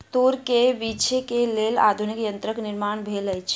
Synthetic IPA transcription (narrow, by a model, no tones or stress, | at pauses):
t̪oɾkeʋit͡ʃʰekeleːla̰ːd̪ʱunikjənt̪ɾəknɪɾmaːɳ̃bʱeləjt͡ʃʰ